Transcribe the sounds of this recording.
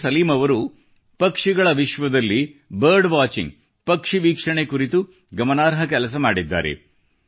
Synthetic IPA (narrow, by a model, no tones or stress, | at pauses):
sɐliːmɐʋɐɾu | pɐkʂiɡɐɭɐʋiʂʋɐd̪ɐlːibɐɾɖʋaːt͡ʃḭŋɡ | pɐkʂiʋiːkʂɐɳekuɾit̪u | ɡɐmɐnaːɾɦɐk̬ɛlɐs̬ɐmaːɽid̪ːa̰ːɾḛ